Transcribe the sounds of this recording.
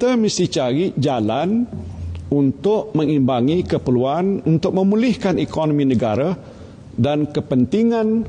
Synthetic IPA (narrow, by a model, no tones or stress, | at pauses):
kit̪əmisit͡ʃaɾid͡ʒalan | unt̪ʊʔmə̃ŋimbaŋikəpəluanunt̪ʊk̚mə̃mulɪhkanikonomĩnə̃ɡaɾa | dankəpənt̪iŋãn